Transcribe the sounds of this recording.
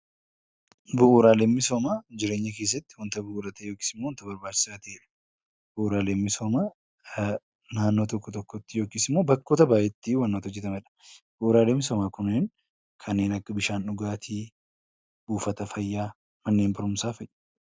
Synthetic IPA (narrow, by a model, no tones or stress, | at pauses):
bʊʔuɾaːleːmːɪsoːmaːd͡ʒɪɾe̞ːɲːɐke̞ːs̬ːɐt̪ːɪwɐnt̪ɐbʊʔːɾɐt̪ejoːkiːsɪmːoːnt̪ɐbɐɾbaːt͡ʃːɪ̥saːt̪ɐeᶑɐ̥ | bʊʔuːɾaːleːmːɪsoːmaː | naːnːo̞ːt̪ɔkːɔt̪ɔkːɔt̪ːɪjo̞ːkiːsɪmːo̞ːbɐkːo̞ːt̪ɐbaːjɛt̪ːiwɐnːoːt̪ɔd͡ʒːɛt̪ɐmɛᶑɐ̥b̥ʊʔuːɾaːlemːɪsɔmaːkʊnːeːn | kʰɐnːe̞ːnɐkːɐbɪʃaːnʊɡaːt̪ʰiː | buːfɐt̪ɐfɐjːaː | mɐnːeːnbɐɾʊmsaːfɛjʔːɐ̥